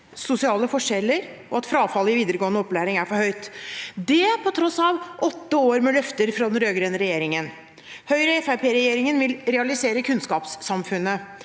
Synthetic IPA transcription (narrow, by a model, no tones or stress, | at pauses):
sʊsɪɑːləfɔʂɛlːəɾ | ʔɔɑt̪fɾɑːfɑlɪʋiːd̪əɾəɡoːənəɔpːlæːɾɪŋæɾfɔɾhœʏt̪d̪ɛpʰɔt̪ʰɾɔsɑʋʔɔt̪ːəoːɾmɛlœft̪əɾfɾɑd̪ɛnɾøːɡɾeːnɾɛjeːɾɪŋən | hœʏɾəɛfæpʰeːɾɛjeːɾɪŋənʋɪlɾɛɑlɪseːɾəkʰʉnskɑːpsːɑmfʉnːə